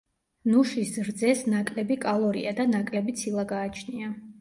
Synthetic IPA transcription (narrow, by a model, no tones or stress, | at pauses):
nuʃisɾd̪zɛsnakʼlɛbikʼalˠɔɾḭad̪anakʼlɛbit̪sʰilˠaɡaːt͡ʃʰnia